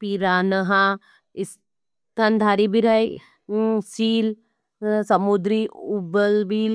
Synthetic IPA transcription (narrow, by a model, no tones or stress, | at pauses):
piɾaːnɐɦã | is | t̪ʰɐnd̪ʱaːɾibiɾaj | siːl | sɐmud̪ɾiubəlbil